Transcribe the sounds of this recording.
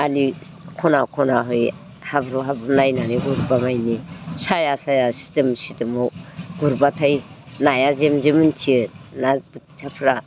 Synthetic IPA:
alikʰɔnakʰɔnaɦɔj | habɾuɦabɾunajnaniɡuɾbamajnisajasajasi̥temsitemoɡuɾbatʰajnajazemzemɯntʰiɯnabuttʰapʰɾa

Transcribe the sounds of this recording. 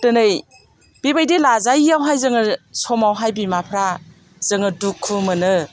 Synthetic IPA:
tɯnɯj | b̥ibajdilazajawɦajzɯŋɯsɔmawɦajbimapʰɾa | z̥ɯŋɯdukʰːumɯnɯ

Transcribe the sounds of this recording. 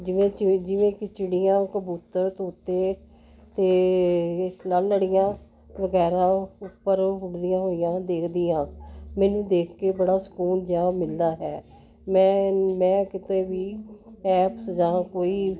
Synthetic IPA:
d͡ʒɪʋẽːd͡ʒɪʋẽːkɪt͡ʃɪɽɪjãːkəbuːt̪əɾt̪oːt̪ːeː | t̪eː | lalːəɽɪjãː | ʋəɡɛːɾãːʊpːəɾɦʊɽd̪ijãːɦoːɪjãːd̪eːkʰd̪ijãːmɛ̃ːnũːd̪eːkʰkeːbəɽaːsə̥kuːnd͡ʒãːmɪld̪aːɦɛː | mɛ̃ːmɛ̃ːkɪt̪eːʋiːɛːpsd͡ʒãːkoːiː

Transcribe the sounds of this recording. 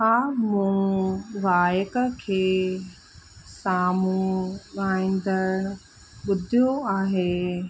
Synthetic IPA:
ɦaːmũːʋaːjəkəkʰeː | saːmũɠaːĩːnd̪əɾ | ɓʊd̪ʱijoaːɦeː

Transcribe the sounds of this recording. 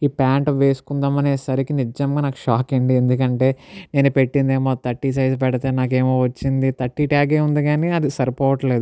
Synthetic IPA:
iːpaːɳʈʋe̞ːsu̥kund̪ɐːmɐneːsɐɾikinid͡ʒɐmɡaːnaːku̥ʃaːkeɳɖiend̪ukɐɳʈe̞ːne̞ːnupe̞ʈːind̪eːmoːt̪ɐʈːisɐjsp̬ɛɽɐt̪eːnaːk̬e̞ːmo̞ːʋɐt͡ʃːind̪it̪ɐʈːiʈaːɡeːund̪iɡaːniɐd̪isɐɾpoːʋɐʈɐle̞ːd̪u

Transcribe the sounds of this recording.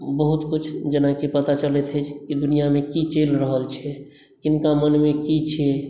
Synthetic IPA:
bəɦut̪kut͡ʃʰd͡ʒənakipət̪at͡ʃəlɛt̪ʰɦət͡ʃʰkid̪unijamekit͡ʃelɾəɦəlt͡ʃʰɛ | kinkamənmekit͡ʃʰɛ

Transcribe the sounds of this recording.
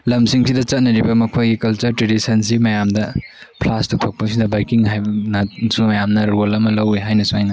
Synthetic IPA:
lɐmsiŋsidɐt͡ʃɐt̚nɐɾibɐmɐkʰojɡikɐlt͡ʃɐɾtɾedisɐnsimɐjamdɐ | pʰlastutʰok̚pɐsidɐbajkiŋɦajnɐsumɐjamnɐɾolɐmɐlɐweɦajnɐsuajnɐ

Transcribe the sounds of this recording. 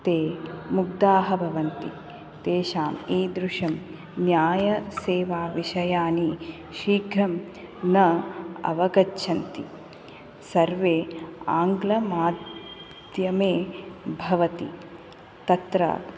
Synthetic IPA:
t̪eːmuɡ̚d̪aːɦɐbʱɐʋɐnt̪i | d̪eːʃaːmiːd̪ɾuʂɐm | njaːjɐseːʋaːʋiʃɐjaːni | ʃiːɡʱɾɐm | nɐɐ̰ʋɐɡɐʃʰɐnt̪i | sɐɾʋeːaːŋɡlɐmaːd̪ | d̪jɐmeːbʱɐʋɐt̪ḭ | t̪ɐt̪ɾɐ̰

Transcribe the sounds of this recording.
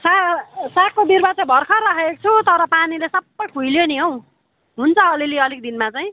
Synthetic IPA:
sasakobirbat͡sabʱʌrkʰʌrakʰet͡sʰut̪ʌɾʌpanilesʌbːʌjkʰujljoniɦow̃ | ɦunt͡sʰʌːliliʌlikd̪inmat͡saj̃

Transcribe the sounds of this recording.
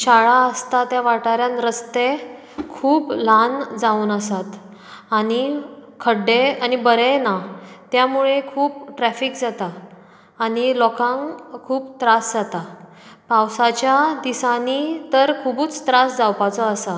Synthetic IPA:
ɕaɭaəst̪at̪jaʋaʈaɾjãnɾəst̪e | kʰuːpland͡zauːnəsat̪ | anikʰəɖeanibəɾɛnat̪jamuɭekʰuːpʈɾɛfikd͡zat̪aː | ñilɔkãŋɡkʰuːpt̪ɾasd͡zat̪a | pawsat͡ɕjad̪isanit̪əɾkʰubuːt͡st̪ɾasd͡zawpat͡sɔəsa

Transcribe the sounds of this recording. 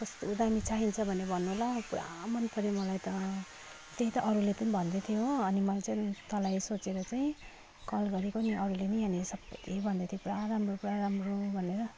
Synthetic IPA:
kʌst̪uːd̪amit͡saɦint͡sʰʌbʱʌnebʱʌnːuɦolapuɾa̰mʌnpʰʌɾimʌlajt̪ʌ | t̪eɦit̪ʌʔʌɾuletʌnĩbʱʌnd̪et̪ʰijoʌnimʌat͡saĩt̪ʌlajsot͡seɾʌt͡saĩ | kʌlɡʌɾikoniʔʌɾulenianisʌbʌj̪ebʱʌnd̪ʌt̪ʰijopuɾaɾamropuɾaɾamrobʱʌneɾʌ

